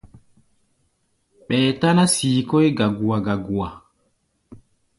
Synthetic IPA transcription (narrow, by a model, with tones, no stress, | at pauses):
ɓɛː˨ta˦na˦siː˨kɔ˦e˦ɡa˨ɡu˨a˨ɡa˨ɡu˨a˨